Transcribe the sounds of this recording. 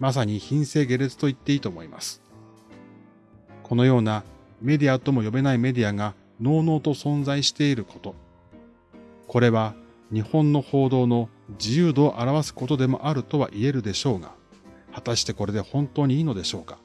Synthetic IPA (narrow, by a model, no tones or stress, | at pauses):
mas̬aɲ̟içĩɰ̃se̞ːɡe̞ɾe̞t͡sɨ̥t̪o̞it̪ːe̞iːt̪o̞ːmo̞ima̰sɨ̥ | kʰo̞no̞jo̞ːna | me̞d̪ʲiat̪o̞mo̞jo̞be̞naime̞d̪ʲiaŋa | no̞ːno̞ːt̪o̞sõ̞nzaiɕi̥t̪e̞iɾɯ̟kʰo̞t̪o̞ | ko̞ɾe̞βa | ɲ̟ihõ̞nːo̞ho̞ːd̪o̞ːno̞ | d͡ʑijɯːd̪o̞ːʔaɾaβasɨ̥ko̞t̪o̞d̪e̞mo̞̰ʔaɾɯ̟t̪o̞β̞a̰ʔie̞ɾɯ̟d̪e̞ɕo̞ːɡa̰hat̪aɕi̥t̪e̞ko̞ɾe̞d̪e̞hõ̞nt̪o̞ːɲ̟iiːno̞d̪e̞ɕo̞ːkḁ